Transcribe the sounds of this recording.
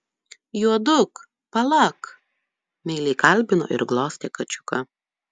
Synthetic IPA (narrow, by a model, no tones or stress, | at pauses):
juɔd̪ʊk | pɐlˠɐk | mʲɛɪlʲɛɪkɐlʲˑbʲɪno̰ːʔɪ̰ɾɡlˠoːsʲt̪ʲeːkɐt͡ʃʲʊ̥kɐ